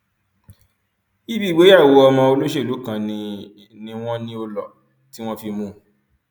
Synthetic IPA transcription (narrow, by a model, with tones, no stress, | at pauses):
i˦bi˦˨ɡ͡be˨˦a˦˨wo˧ɔ˧mɔ̃˧o˧lo˦ʃe˦˨lo˨˦kã˧nĩ˧ | nĩ˧w̃ɔ̃˦nĩ˦o˧lɔ˨ | ti˦w̃ɔ̃˦fi˧mũ˧